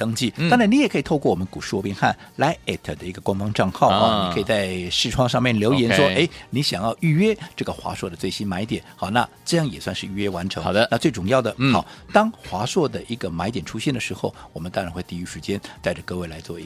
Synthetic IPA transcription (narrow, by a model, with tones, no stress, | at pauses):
t̪ɤ˥ŋt͡ɕi˥˩t̪ŋɻa˧˥ni˧˥jɛ˨˩kʰɤ˧˥i˨˩t̪ʰo˥˧ʊkwɔ˥˩wɔ˨˩mə˦nku˨˩ʂɻ̩˥˩wɔ˧˥pjɛ˥nxa̰˥˩nla˧˥ɪɛ˨˩t̪ʰə˨˩d̪ə˩i˧˥ɡə˧kwa˥nfɑ˥ŋʈ͡ʂɑ˥˧ŋxɑ˥˩ʊʊ˥˩ni˨˩ɤ˧˥i˨˩t͡sa˥˧ɪʂɻ̩˥˧ʈ͡ʂʰwɑ˥˧ŋʂɑ˥˧mjɛ˥˩nljo˧˥ʊjɛ˧˥nʂwɔ˥e˥ɪni˧˥ɕjɑ˨˩ŋjɑ˥˧ʊy˥˩ɥɛ˥ʈ͡ʂɤ˥˩ɡə˩xwa̰˧˥swɔ˥˩d̪ə˩t͡swe˥˩ɪɕi˥nma˧˥ɪt̪jɛ˨˩˦nxɑ˨˩ʊna̰˥˧ʈ͡ʂɤ˥˧jɑ˥˩ŋjɛ˨˩swa˥˧nʂɻ̩˥˧y˥˧ɥɛ˥wa˧˥nʈ͡ʂʰɤ˧˥ŋ˨˩də˧na˥˧t͡swe˥˩ɪʈ͡ʂʊ˨˩ŋjɑ˥˩ʊd̪ə˩ɑ˨˩˦ʊt̪ɑ˥ŋxwa˧˥swɔ˥˩d̪ə˩ʔi˧˥ɡə˧ma˧˥ɪjɛ˨˩nʈ͡ʂʰu˥ɕjɛ˥˩nd̪ə˩ʂɻ̩˧˥xo˥˧ʊwɔ˨˩mə˦nt̪ɑ˥ŋɻa˧˥nxwe˥˧ɪt̪i˥˩y˧˥ʂɻ̩˧˥t͡ɕjɛ˥nt̪a˥˩ɪʈ͡ʂə˩kɤ˥˧we˥˩ɪla˧˥ɪt͡swɔ̰˥˧i˧˥